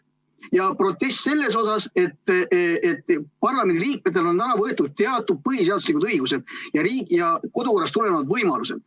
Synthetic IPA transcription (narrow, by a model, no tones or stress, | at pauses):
jɑpro̞t̪ːˑe̞st̪ːse̞lːe̞s̬o̞sɑse̞t̪ːet̪ːpɑrlɑmend̪ʲiliːk̚met̪ːˑelo̞nænɑvɤet̪ːˑud̪̚t̪eɑt̪ːˑud̪̚pɤɦiseɑd̪uslikud̪ɤiɡ̥use̞d̪̥̚jɑɾiːkjɑko̞d̪uko̞rːɑst̪ule̞nevɑd̪vɤjmɑluse̞̰d̪̥